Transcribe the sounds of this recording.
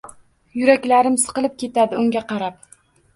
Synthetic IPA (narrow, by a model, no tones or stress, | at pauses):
jʊɾakʲlaɾɪmsɨ̥qɨlˠɪp̚kʲʰe̞t̪ʰad̪ɪʊŋɡʲaqʰɑɾap̚